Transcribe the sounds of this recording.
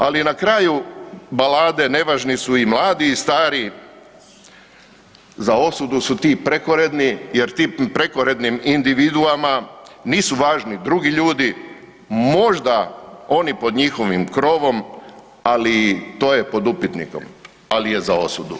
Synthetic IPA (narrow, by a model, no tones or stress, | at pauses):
alinakɾaːjubalaːd̪e̞ne̞ʋaʒnisuimlˠaːd̪iːst̪aːɾi | zao̞sud̪usut̪ipɾe̞koɾe̞d̪nije̞ɾt̪iːpɾe̞koɾe̞d̪nimind̪iʋid̪uamaniːsuʋaːʒnid̪ɾuɡiʎuːd̪i | mo̞ʒd̪ao̞nipo̞d̪ɲixo̞ʋimkɾo̞ːʋo̞m | alit̪o̞ːje̞po̞d̪upit̪nḭko̞̰m | alije̞zao̞sud̪ṵ